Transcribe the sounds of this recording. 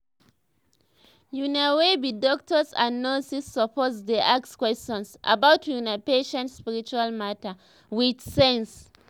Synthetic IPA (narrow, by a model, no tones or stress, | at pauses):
junawebidɔk̚tʰɔsã̰nːɔsisːɔpʰɔtsdeʔakskwɛstɔ̃nsʔa̰bawtjunapeʃɛ̃ntspiɹit͡ʃualmata | widsɛ̃ns